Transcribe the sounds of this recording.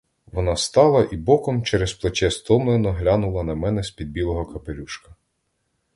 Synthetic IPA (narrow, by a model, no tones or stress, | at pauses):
ʋɔnɑst̪ɑlˠɐʔibɔkɔmt͡ʃɛɾesplˠet͡ʃɛst̪ɔmlˠenɔɦlʲɑnʊlˠɐnɐmɛnɛsʲpʲid̪̚bʲilˠɔɦɔkɐpelʲuʃkɐ̥